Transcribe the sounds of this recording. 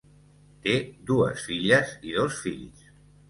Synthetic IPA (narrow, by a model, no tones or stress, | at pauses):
t̪ed̪uə̰sfiʎəziðosfiʎs